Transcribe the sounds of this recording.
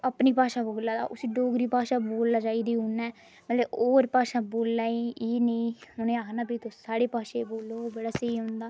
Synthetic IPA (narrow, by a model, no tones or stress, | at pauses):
əpniːpaːʃaːboːlaːd̪a̰ːʔʊsiːɖoːɡɾiːpaːʃaːboːlːaːd͡ʒaːiːd̪iːõnːɛː | mət̪leoːɾpaːʃaːboːlːaːeiːnəĩʊnẽːaːkʰnaːbiːt̪oːsaːɽeːpaːʃeboːlːobəɽaːseiɦõːnd̪aː